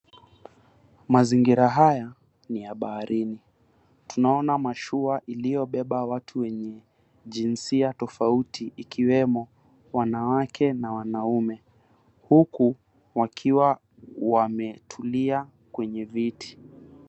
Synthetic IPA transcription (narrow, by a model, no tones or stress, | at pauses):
maziŋɡiɾaɦaja | niaɓahaɾʔini | tunaɔnamaʃuaʔilijɔɓɛɓawatʰuwɛɲɛ | ʄinsiatɔfautiʔikiwɛmɔ | wanawakʰɛnawanaumɛ | huku | wakʰiwa | wamɛtʰulia | kwɛɲɛvitʰi̥